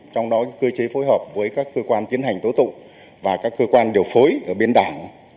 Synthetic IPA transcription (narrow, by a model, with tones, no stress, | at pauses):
t͡ɕɔ˧wŋ͡mɗɔ˨˦˨kə˧t͡ɕe˨˦fo˨˦jɦəː˨˩p̚vəː˨˦jkaː˦˥kːəː˧kwaː˧nt̪i˨˦ənɦa˨˩jŋ̟t̪o˨˦t̪ʊ̰˧˨ŋ͡m | vaː˨˩kaː˦˥kːəː˧kwaː˧nɗi˨˩əwfo˨˦jʔəː˧˩ɓe˧nɗaː˧˩ŋ